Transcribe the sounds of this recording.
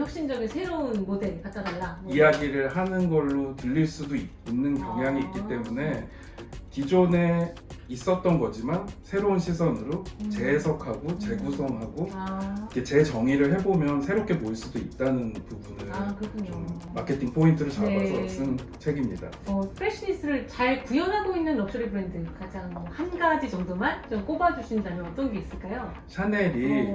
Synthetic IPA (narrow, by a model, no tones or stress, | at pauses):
jʌk̚ɕ͈ind͡ʑʌɡesʰe̞ɾounmodeɾikat͈aaaijaɡiɾɯɭɦanɯnɡʌɭːotɯʎːiɭs͈udoi | nːɯnkjʌŋjaŋiːt̚k͈it͈e̞mune̞ | kid͡ʑone̞ | is͈ʌt̚t͈ʌnɡʌd͡ʑimansʰe̞ɾounɕʰis̬ʰʌnɯɾot͡ɕe̞sʰʌkʰaɡot͡ɕe̞ɡusʰʌŋɦaɡoikʰe̞t͡ɕe̞t͡ɕʌŋiɾɯɭɦe̞bomjʌnsʰe̞ɾop̚k͈ʰe̞moiɭs͈udoit̚t͈anɯnpubunɯɭakɯɾʌkʰuɲomːakʰe̞tʰiŋpʰointʰɯɾɯɭt͡ɕaaʌs͈ɯnt͡ɕʰe̞ɡimɲida̰ | ʌsʰɯ̥pʰeɕʰɯnist͈ʰɯɾɯɭt͡ɕaɭpujʌnɦaɡoinːɯnːʌk̚s͈ʌɾibɯɾendɯkad͡ʑaŋmʌhanɡad͡ʑit͡ɕʌŋdomant͡ɕomk͈obad͡ʑuɕʰindamjʌnʌt͈ʌnɡe̞is͈ɯɭk͈ajo | ɕʰane̞ɾi